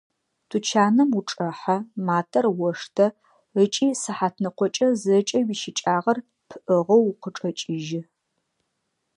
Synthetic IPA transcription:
tʰut͡ʃʰaːnɐmuʈ͡ʂʼɐħamaːtʰɐrwɔʂtʰɐ | ət͡ʃʼiːsɨħaːtʰnɨqʷɔt͡ʃʼɐzɐt͡ʃʼɐwiːʃɪt͡ʃʼaːʁɐr | pʰɨʔəʁɐwqəʈ͡ʂʼɐt͡ʃʼɪʒɪ

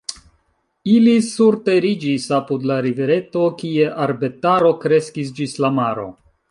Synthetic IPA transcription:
ilisuɾte̞ɾid͡ʒisapudlaɾiveɾe̞to̞kie̞ʔaɾbe̞taɾo̞kɾe̞skis̬d͡ʒislamaɾo̞̰

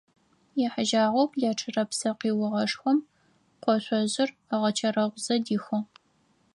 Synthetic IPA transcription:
jɛħəʒaːʁʷowpʰjaːʈ͡ʂʰɨrɐpsɐqiːwʊʁɐʂxʷɔm | qʷɔɕʷʼɔʑɪr | aʁɐt͡ʃʰɐɾɐʁʷzɐdiːxʷɔ

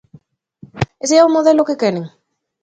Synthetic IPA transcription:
eseaomoðelokekeneŋ

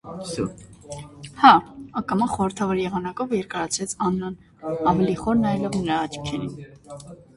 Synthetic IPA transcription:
hɑɑkɑmɑχɔɾəɾt̪ʰɑvɔɾjɛʁɑnɑkɔvjɛɾkɑɾɑt͡sʰvɛt͡sʰɑnːɑn | ɑvɛliχɔɾnɑjlɔvnəɾɑːt͡ʃʰkʰɛɾḭn

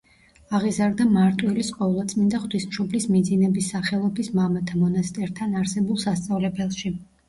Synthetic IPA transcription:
aʁizaɾd̪amaɾt̪ʼwilisqʼɔlˠat̪sʼmind̪aχwt̪ʰismʃɔblismid̪zinɛbisːaχɛlˠɔbismamat̪ʰamɔnast̪ʼɛɾt̪ʰanaɾsɛbulˠsast̪sʼavlɛbɛlˠʃi

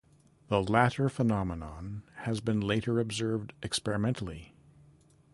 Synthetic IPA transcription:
ðəlæɾə˞fənɑmənɑ̃nhɨzbɨ̃nleɪɾə˞ɨbzɜ˞vdɨkspɛɹɨmɛ̃ntʰl̩ˠi

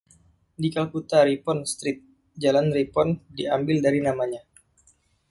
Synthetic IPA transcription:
dikalkut̪aɾipɔnst̪ɾɪt̪̚ | d͡ʒalanripɔndiambɪldaɾinamaɲa

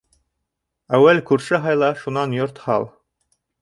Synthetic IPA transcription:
æwːælkʉɾʃɘɦɑjlˠɑʃunɑnjoɾt̪hɑlˠ

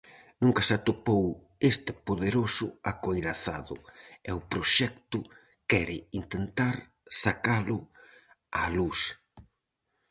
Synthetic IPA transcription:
nũŋkasat̪opow | est̪ɪpoðeɾosʊakojɾaθa̰ðʊ̰ɛʊpɾoʃɛkt̪ʊ | kɛɾɪint̪ent̪aɾ | sakalʊ | alus

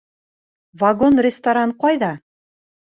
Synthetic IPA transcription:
vɐɡonrʲɪst̪aɾanqɑjðɑ

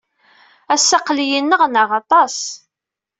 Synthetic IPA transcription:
æsːɑqlijənːəʁnəʁɑt̪ˤɑs

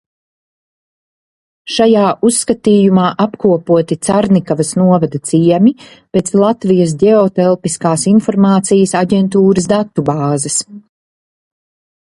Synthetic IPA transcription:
ʃajaːʔusːkat̪iːjumaːʔapkuɔpuɔt̪it̪saɾnikavɐsnuɔvad̪ɐt̪siɛmʲi | peːt̪slˠat̪vijɐs̬dɛɔt̪ɛlˠpiskaːsinfɔɾmaːt̪sijɐsaɟɛnt̪̬uːɾəsd̪at̪ːubaːzɐs

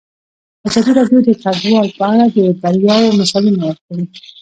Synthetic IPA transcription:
azɑd̪iɾɑɖjod̪ət̪ʰadwɑlpəaɽad̪əd̪aɾjɑwomasɑwinawəɾkaɽi

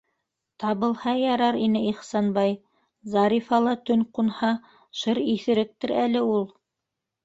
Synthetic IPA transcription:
t̪ɑβɤ̆lˠhɑjɑɾɑɾinɘiχsɑnbɑj | zɑɾifɑlˠɑt̪ɵnqunhɑ | ʃɤɾiθɘ̆ɾɘk̚t̪ɘ̆ɾælɘulˠ

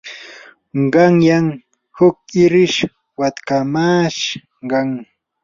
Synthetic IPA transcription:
ɢɑŋjaŋ | hʊk̚ɪɾɪʃ | wat̪kamaːʃ | ɢɑŋ

